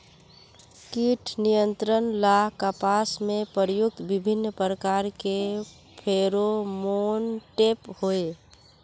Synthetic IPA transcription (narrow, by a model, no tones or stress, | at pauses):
kiʈʰnijənt̪ɾənlaɦkəpasmepəɾjʊk̚t̪bibʱinːpɾəkaɾke | pʰeɾomonʈephoe